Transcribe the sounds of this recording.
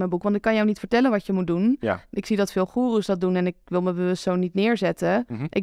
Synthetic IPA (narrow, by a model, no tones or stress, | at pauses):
mənbukʋɑntɪkːɑnjɔwnitfəɹtɛlənʋɑəmud̚dun̰ɪksidɑtfɪːlˠχuːrəsdɑt̚dunɛnɪk̚ʋɪlˠməbəəstsownitnɪːɹzɛtəʔɪk